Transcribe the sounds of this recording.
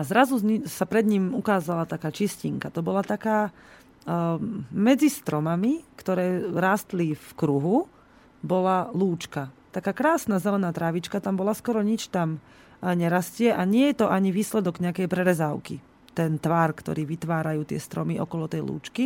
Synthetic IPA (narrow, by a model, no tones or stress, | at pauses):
azɾazusapɾɛd̪ɲiːmukaːzalat̪akaːt͡ʃisciŋkat̪ɔbɔlat̪akaː | mɛd͡zist̪ɾɔmamikt̪ɔɾɛːɾaːst̪lifkɾuɦu | bɔlaluːt͡ʃkat̪akaːkɾaːsnazɛlɛnaːt̪ɾaʋit͡ʃkat̪ambɔlaskɔɾɔɲit͡ʃt̪am | ɲɛɾascɪɛʔaɲɪɛjɛt̪ɔʔaɲiʋiːslɛd̪ɔɡɲɛakɛjpɾɛɾɛzaʊki | t̪ɛnt̪ʋaɾkt̪ɔ̰ɾiːʋit̪ʋaːɾajuːt̪ɪɛ̰st̪ɾɔmiʔɔ̰kɔlɔt̪ɛjlṵːt͡ʃki